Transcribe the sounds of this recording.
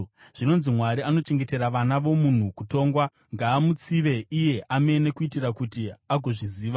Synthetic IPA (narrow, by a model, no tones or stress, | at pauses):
ʐ̥ino̞nzimwaɾiano̞t͡ʃe̞ŋɡe̞te̞ɾaʋanaʋo̞mun̤ukuto̞ːŋɡwa | ŋɡaːmut͡siʋe̞ʔije̞ʔame̞ne̞kuitirakutiaɡʱo̞ʐiziːʋa